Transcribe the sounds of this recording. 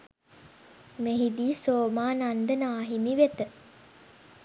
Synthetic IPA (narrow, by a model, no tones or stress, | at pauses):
meɦid̪iːsoːmaːnand̪ənaːɦimiʋet̪ə